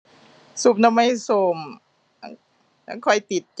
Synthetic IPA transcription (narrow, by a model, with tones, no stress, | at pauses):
su˨˩p̚na˧mːa˧jsoː˧˩m | a˧˥ | na˧˥ŋkʰɔ˧˩jt̪i˨˩t̪̚t͡ɕ